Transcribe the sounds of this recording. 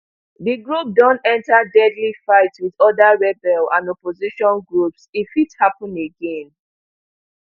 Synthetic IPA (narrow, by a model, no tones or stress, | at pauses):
ðiɡɹup̚dɔ̃ntɛ̃ntadɛdlifaɪtwiðɔdaɹɛbɛlãnɔpoziʃɔ̃nɡɹupsifithapə̃neɡɛ̃n